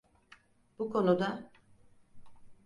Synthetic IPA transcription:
bukʰo̞nud̪a

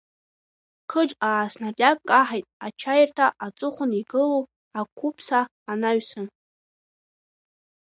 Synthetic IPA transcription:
kʰɨʈ͡ʂʼaːsnarjap̚ʼkʼaħajtʼat͡ʃʰajɪrtʰaʔat͡sʼʊχʷʊniɡɨlow | akʷʰupʰsaː | naɥsɨn

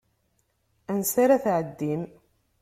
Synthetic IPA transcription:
ænsaɾaθʕəd̪ːim

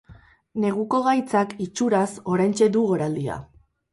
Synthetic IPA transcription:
ne̞ɣ̞uko̞ɣajt͡sakit͡ʃuɾaso̞ɾajnt͡ʃe̞d̪uɣo̞ɾald̪ia̰

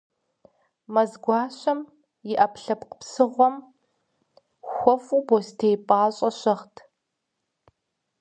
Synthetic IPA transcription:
mɐzɡʷɑːɕɐm | jɪʔɐpɬɐpqə̥psɨʁʷɔm | xʷɔfubostʰejpʼaːɕʼɐɕɐχtʰ

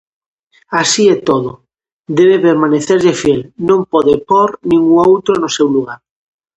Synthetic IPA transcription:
asiɛt̪oðʊ | d̪ɛβepeɾmaneθeɾʎefjɛlnõmpɔðepɔɾnĩŋɡuŋowt̪ɾonosewluɣ̞aɾ

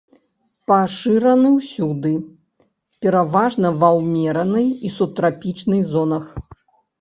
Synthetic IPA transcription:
paʂɨɾɐnɨwsʲud̪ɨ | pʲɛɾavaʐnɐvawmʲɛɾɐnɨjisut̪ɾapʲit͡ʂnɨjzɔnɐx

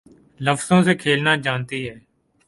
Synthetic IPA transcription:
ləfsõːsekʰeːlnaːd͡ʒaːnt̪iːɦɛː

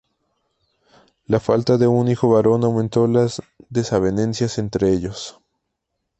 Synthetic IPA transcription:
lafalt̪aðe̞unixo̞βaɾo̞nawmẽnt̪o̞lazðe̞saβene̞nsjase̞nt̪ɾeeʎo̞s

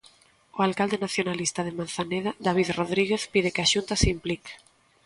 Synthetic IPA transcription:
oalkald̪enaθjonalist̪að̞emanθaneðad̪aβ̞iðroðɾiɣ̞eθpið̞ekaʃunt̪asimplik

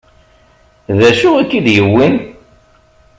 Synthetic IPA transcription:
ðæʃuækːiðjəwːin

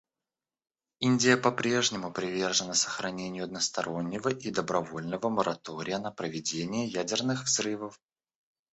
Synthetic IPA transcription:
inʲdʲɪjəpɐpɾʲe̞ʐnʲɪmʊpɾʲɪvʲe̞rʐɨnəsə̥xɾɐnʲenʲɪjʊɐd̪nəst̪ɐɾo̞nʲːɪvəʔid̪əbɾɐvo̞lʲnəvəməɾɐt̪o̞ɾʲɪjənəpɾəvʲɪdʲenʲɪjəjædʲɪrnɨxvzrɨvəf

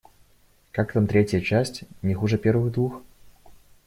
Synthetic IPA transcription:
kakt̪amt̪ɾʲetʲjət͡ɕasʲtʲnʲɪxuʐəpʲervɨɣd̪vux

